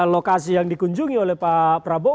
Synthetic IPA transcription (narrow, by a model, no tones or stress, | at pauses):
lokasijaŋdikuɲd͡ʒuŋiolɛhpapɾabo